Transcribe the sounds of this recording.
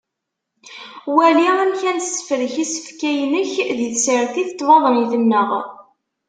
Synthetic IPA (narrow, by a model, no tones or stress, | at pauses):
wæliæmçænsə̥fɾəçisə̥fkæjnəçðəθsəɾθiθt̪ːvɑðˤəniθəmːəʁ